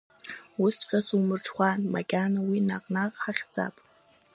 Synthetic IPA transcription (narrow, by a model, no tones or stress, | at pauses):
usχʲʼasumɨrʈ͡ʂʰχʷanmaɡʲʼanawinaqʼnaqʼħaχʲd͡za̰pʼ